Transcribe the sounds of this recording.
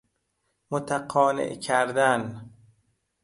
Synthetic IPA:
mot̪ʰæqʰɒːnḛʔcʰæɾd̪æn

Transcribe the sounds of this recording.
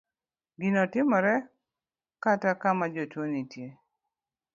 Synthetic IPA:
ɡinɔtɪmɔɾɛ | katakamad͡ʒotwonitje

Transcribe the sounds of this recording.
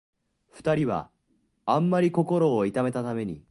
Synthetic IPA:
ɸɯ̟̥t̪aɾʲiβa̰ | ãmːaɾʲiko̞ko̞ɾo̞ːit̪ame̞t̪at̪ame̞ɲ̟i

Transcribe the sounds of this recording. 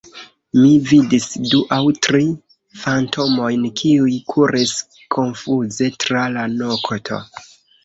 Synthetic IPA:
mividisduʔawtɾi | fantʰo̞mo̞jnkʰiujkʰuɾis | kʰo̞nfuze̞tɾalanokʰotʰo̞̰

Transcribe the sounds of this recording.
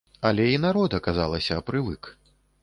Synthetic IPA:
alʲɛinaɾɔd̪ɐkazalˠɐsʲɐːpɾɨvɨk

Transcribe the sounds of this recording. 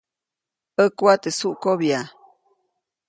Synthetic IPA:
əkwat̪esuʔkoβja

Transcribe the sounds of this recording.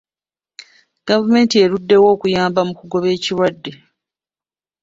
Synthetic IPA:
ɡ̥avume̞ːntie̞ɾudːe̞wo̞ːkujaːmbamukuɡo̞βe̞ːciɾwadːe̞

